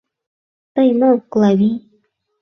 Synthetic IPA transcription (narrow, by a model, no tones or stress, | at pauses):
t̪ajmaklawi